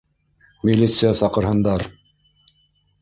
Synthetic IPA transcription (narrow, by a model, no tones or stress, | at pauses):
mʲilʲːit̪sɨjasɑqɤ̆ɾɦɤ̆nd̪ɑɾ